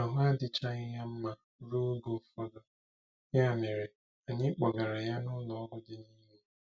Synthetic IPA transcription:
a˨ɦʊ˦a˦dɪ˨t͡ʃa˦ɲɪ˦ɦa˦m̩˦ma˦ | ɾu˦ɡo˨fa˦ɡɔ˦ | ɲ˦a˦˨me˨ɾe˨ | a˨ɲɪ˦k͡pɔ˨ɡa˨ɾa˨ja˦nʊ˦lɔ˨˦ɡʊ˦dɪ˦niː˦me˦

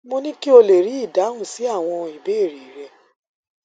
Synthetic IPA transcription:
mo˧nĩ˦ki˦o˧le˨ɾi˨˦i˦˨da˨˦ũ˦˨si˨˦a˦˨w̃ɔ̃˧i˨be˨˦e˦˨ɾi˨ɾɛ˧

